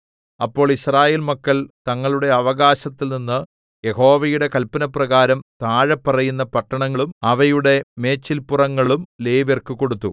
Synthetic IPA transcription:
ɐpːo̞ːɭiɕraːje̞ːlmɐkːɐɭt̪ɐŋːɐɭuɽe̞ɐʋɐɣaːɕɐt̪ːilninːɨ | jeho̞ːʋɐjuɽe̞kɐlpɐnɐprɐɣaːɾɐmt̪aːɻɐpːɐrɐjunːɐpɐʈːɐɳɐŋːɐɭumɐʋɐjuɽe̞me̞ːt͡ɕːilpurɐŋːɐɭumle̞ːʋerkɨko̞ɽut̪ːu

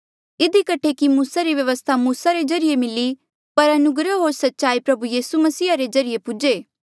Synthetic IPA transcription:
ɪd̪ikɐʈʰekimuːsaɾiʋjɐʋəst̪ʰamuːsaɾezɐɾijemɪli | pɐɾɐnʊɡɾəɦoːɾsɐtːʃaːipɾɐbujiːsumɐsiːaɾezɐɾɪjepʊd͡ʒeː

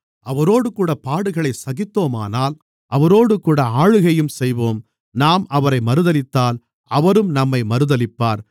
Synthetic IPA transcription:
ɐʋɐɾoːɽɯkuːɽɐpaːɽɯɣɐɭɐɪsɐɣɪt̪ːoːma̰ːnaːl | ʔɐʋɐɾoːɽɯkuːɽɐaːɻɯɣɐjɯmsɛjʋoːm | naːmɐʋɐɾɐɪmɐɾɯðɐlɪt̪ːaːl | ɐʋɐɾɯmnɐmːɐɪmɐɾɯðɐlɪpːaːɾ

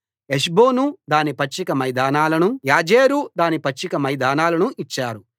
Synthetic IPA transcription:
eʃ̬boːnud̪aːnipɐt͡ʃːikɐmɐjd̪aːnaːlɐnujaːd͡ʒeːɾud̪aːnipɐt͡ʃːikɐmɐjd̪aːnaːlɐnuʔit͡ʃːaːɾu

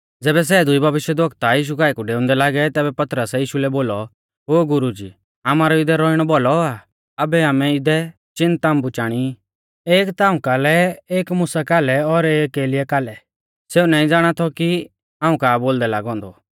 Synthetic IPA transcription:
d͡zɛːbɛs̬ɛːd̪ʊibʱɐʋɪʃjɛd̪ʋɔkt̪ajiːʃ̬ukaːikuɖeːʊ̃nd̪ɛlaːɡɛt̪ɛːbɛpɐt̪ɾəsɛjiːʃulɛboːlɔ | ɦoːɡʊɾud͡ʒḭː | amaːɾɔɪd̪ɛɾɔiɽ̃ɔbɔlɔa | ɐbɛaːmɛɪd̪ɛ | t͡ʃɪnt̪aːmbʊt͡ʃaːɽ̃i | eːkt̪aːũkaːlɛeːkmʊsakaːlɛɔɾeːkeːlɪɛkaːlɛ | seːunaːĩd͡zaːɽ̃at̪ʰɔki | aːũkaːboːld̪ɛlaːɡɔ̃ːnd̪ɔ̰

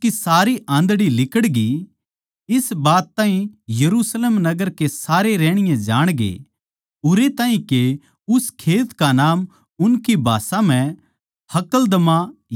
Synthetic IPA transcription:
kisaːɾiʔãːnd̪ɽilɪkəɽɡi | ɪsbaːt̪ːaːɦĩjɐɾuːsleːmnɐɡəɾkesaːɾeɾɛːɽ̃ɪjãd͡ʒaːɽ̃ɡḛː | ʊɾet̪aːɦĩke | ʊskʰeːt̪kanaːm | ʊnkibʱa̰ːsãm̤ɛ̃ | hɐkəld̪ɐmã

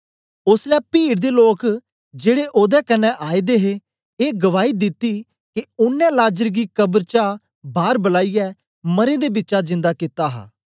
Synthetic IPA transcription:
ʊslɛːpiːɽd̪eːloːk | d͡ʒeːɽeːʔoːd̪ɛːkənːɛ̃ːʔaːid̪eːɦeː | eːɡəʋaːiːd̪ɪt̪ːiː | keʊnːɛ̃ːlaːd͡ʒəɾɡiːkəbəɾt͡ʃa | baːɾbəlaːijɛː | məɾẽːd̪eːbɪtːʃad͡ʒɪ̃nd̪aːkɪt̪aːɦa̰ː

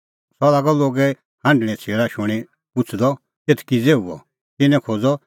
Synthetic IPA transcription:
sɔlaɡɔloːɡɛ | hãɳɖɽ̃ɛ̃t͡sʰeːɭaʃʊɽ̃i | pʊt͡sʰd̪ɔ | t̪et̪ʰkid͡zeːuɔ̰ | t̪ɪnɛ̃kʰod͡zɔ

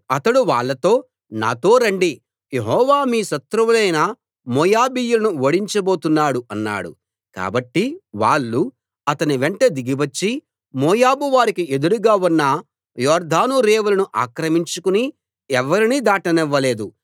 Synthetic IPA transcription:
ɐt̪ɐɽuʋaːɭːɐt̪o̞ː | na̰ːt̪o̞ːɾɐɳɖi | je̞ɦɔːʋaːmiːʃɐt̪ɾɐʋulɐjnɐ | moːjaːbiːjulɐnuʋoɽiɲt͡ʃɐbo̞ːt̪unːaːɽuʔɐnːa̰ːɽṵ | ka̰ːbɐʈːiʋa̰ːɭːu | ɐt̪ɐniʋeɳʈɐd̪iɡiʋɐt͡ʃːi | moːjaːbuʋaːɾikie̞d̪uɽuɡaːunːɐ | jɔːɾd̪ʱaːnuɾeːʋulɐnuʔa̰ːkɾɐmiɲt͡ʃukuni | ɛʋːɐɾinid̪aːʈɐnɛʋːɐle̞ːd̪u

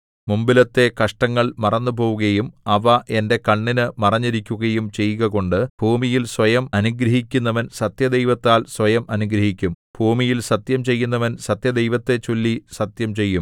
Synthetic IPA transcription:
mumbilɐt̪ːe̞kɐʂʈɐŋːɐɭmɐrɐnːupo̞ːʋuɣɐjumɐʋɐʔe̞nde̞kɐɳːinɨmɐrɐɲːiɾikʲːuɣɐjumt͡ɕe̞jːɣɐɣo̞ɳɖɨbʱuːmijilsʋɐjɐmɐnuɡɾɐɦikʲːunːɐʋɐnsɐt̪jɐd̪ejʋɐt̪ːaːlswʋɐjɐmʔɐnuɡɾɐɦikʲːum | b̥ʱuːmijilsɐt̪jɐmt͡ɕe̞jːunːɐʋɐnsɐt̪jɐd̪ejʋɐt̪ːe̞t͡ɕolːisɐt̪jɐmt͡ɕe̞jːum

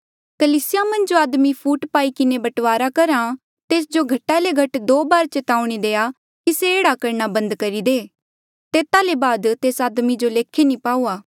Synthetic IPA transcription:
kɐliːsɪjamɐ̃nd͡ʒoaːd̪mipʰuːʈpaːikɪnebɐʈʋaːɾakɐɾã | t̪eːsd͡ʒoɡʱɐʈːaleɡʱɐʈd̪oːbaːɾt͡ʃɐt̪aːuɽ̃id̪eːa | kiseeːɽakɐɾɳ̃abɐ̃nd̪kɐɾid̪eː | t̪eːt̪alebaːd̪t̪eːsaːd̪mid͡ʒoleːkʰenĩpaːuːaː

